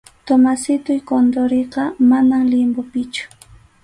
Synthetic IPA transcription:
t̪omasɪt̪ʊjkond̪oɾeqɑmanaŋlɪmbʊpɪt͡ʃʊ̥

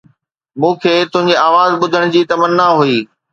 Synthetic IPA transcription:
mũːkʰeːt̪ʊ̃ɦɪ̃ɲ̆d͡ʑeaːʋaːzɓʊd̪ʱəɽ̃d͡ʑiːt̪ɐmənːaɦuiː

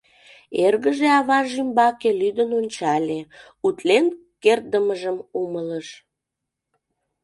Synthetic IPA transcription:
erɣəʒeɑβɑʒimbɑkelyd̪ənonʲt͡ɕɑlʲe | ut̪len | kerd̪əməʒəmumələʃ

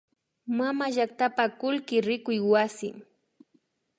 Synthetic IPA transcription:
mamaʒak̚t̪apakʊlkɪɾɪkʊjwasɪ̰

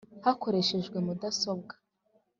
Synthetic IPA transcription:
hako̞ɾe̞ʃe̞ʒɡwe̞mudaso̞bɡḁ

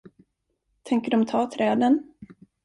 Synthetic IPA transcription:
t̪ʰɛŋkəɖɔmt̪ʰɑːt̪ʰɾɛːd̪ən

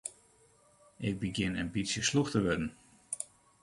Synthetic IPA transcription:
ʔɪk̚bəɡjɪnənbisjəsluxtəʋʏdən̩

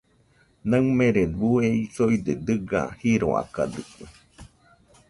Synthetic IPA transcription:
nəŋmẽɾeβueisojd̪ed̪ɨɡa̰hiɾo̰a̰ka̰d̪ɨkɨ

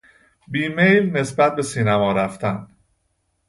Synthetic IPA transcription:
biːmejlne̞sbæt̪̚be̞siːnæmɒːɾæft̪ʰæn

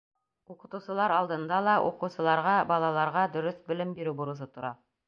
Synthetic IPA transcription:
uqɤ̆t̪ɤ̆wsɤ̆lˠɑɾɑlˠd̪ɤ̆nd̪ɑlˠɑʔuqɤ̆wsɤ̆lˠɑɾʁɑbɑlˠɑlˠɑɾʁɑd̪ɵ̆ɾɵθbɵ̆lɘmbiɾɘwbuɾusɤt̪ŏɾɑ

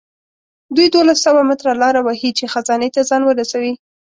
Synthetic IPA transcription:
d̪ujd̪olasːawamɪt̪ɾalɑɾawahit͡ʃexazɑnet̪azɑnwəɾasawi

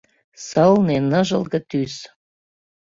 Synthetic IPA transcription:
səlnenəʒə̆lɣə̆t̪ys

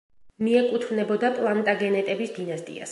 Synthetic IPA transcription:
miɛkʼut̪ʰvnɛbɔd̪apʼlˠant̪ʼaɡɛnɛt̪ʼɛbisd̪inast̪ʼḭa̰s

